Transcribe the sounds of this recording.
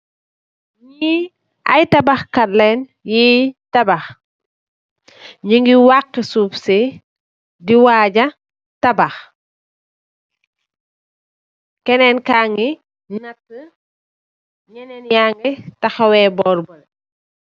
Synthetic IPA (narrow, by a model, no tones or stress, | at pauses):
ɲi | ʔɐjtɐbɐxkɐlɛnjitɐbɐx | ɲiŋɡiwakːəsuːpse | diwaːɟɐ | tɐbɐx | kɛnɛnkaŋɡi | nɐtːə | ɲɛnɛnjaŋɡɛtɐxɐwɛbɔːɾbɐl